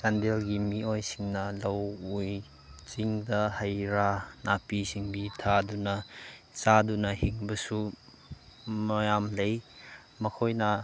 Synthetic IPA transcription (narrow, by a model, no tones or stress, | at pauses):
sandelɡimiɔjsiŋnɐlɐwuj | t͡siŋdɐhɐjɾanapisiŋbit̪ʰadunɐsadunɐhiŋbɐsu | mɐjamlej | mɐkʰojnɐ